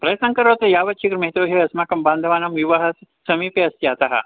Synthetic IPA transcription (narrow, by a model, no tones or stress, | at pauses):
pɾɐsɐ̃ŋkɐɾoːt̪ɐjaːʋɐt͡ʃʰikɾmɐɦt̪oːɦeɐsmakɐmbaːnd̪ʱɐʋaːnɐmʋiʋaɦɐt̪ | sɐmiːpeɐsjaːt̪aɦɐ̰